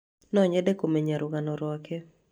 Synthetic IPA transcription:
nɔɲɛdekomeɲaɾʊɡanɔɾwɔkɛ

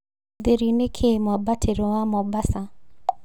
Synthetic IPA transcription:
d̪eɾinekʰemɔbatʰeɾowamɔbasa

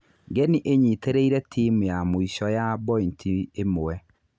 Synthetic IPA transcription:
ɡɛniʔeɲiteɾeiɾɛtʰiːmujamoiʃɔjabɔintʰiemoɛ

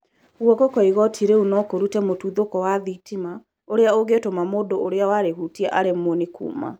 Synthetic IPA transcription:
ɣwɔkɔkɔiɣɔtʰiɾeunɔkoɾutɛmotuðokɔwaðitima | oɾeaoɣetomamoːndoʔoɾeawaɾehuːtiaʔaɾemonekṵːma̰

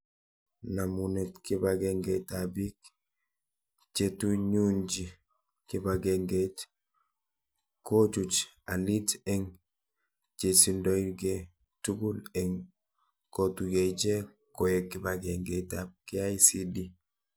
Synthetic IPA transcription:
namunɛtkibaɡɛŋɡɛtabik | t͡ʃetuɲund͡ʒi | kibaɡɛŋɡet | kot͡ʃut͡ʃ | alitɛŋ | t͡ʃesindɔjɡe | tuɡulɛŋ | kotuɡeid͡ʒe | kojekːibaɡɛŋɡɛtap̚kiajsidi

